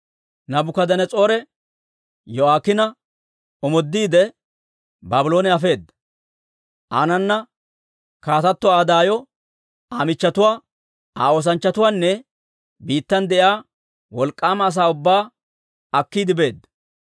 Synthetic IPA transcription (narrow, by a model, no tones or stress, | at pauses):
nɐbʊkɐd̪ɐnɛt͡sʼo̞ːɾɛ | jɔaːkːɪnɐ | ɔmɔd̪ːiːd̪ɛ | baːbɪlo̞ːnɛɐfe̞ːd̪ːɐ | ʔa̰ːnɐnːɐ | kaːt̪ɐt̪ːɔaːd̪aːjɔ | aːmɪt͡ʃːɐt̪ʊwaː | aːo̞ːs̬ɐnt͡ʃːɐt̪ʊwaːnːɛ | biːt̪ːɐnd̪ɛʔjaː | wɔlkʼːaːmɐːs̬aːʊbːaː | ɐkːiːd̪ɪbe̞ːd̪ːɐ̥